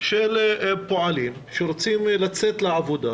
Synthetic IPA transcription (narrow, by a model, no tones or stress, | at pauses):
ʃelpoʕalim | ʃeɾot͡simlat͡set̪leʕavod̪a